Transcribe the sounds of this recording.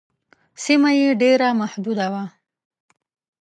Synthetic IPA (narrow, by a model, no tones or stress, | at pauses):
simajeɖeɾamahd̪ud̪awa